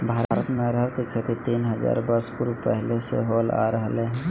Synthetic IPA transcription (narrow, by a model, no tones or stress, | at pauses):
bʱaːɾːɾət̪meɾəɾkikʰet̪it̪iːnɦəza̰ːɾbəɾspʊɾpɛɦlesḛɦoːla̰ːɾəɦleɦɛ̃ː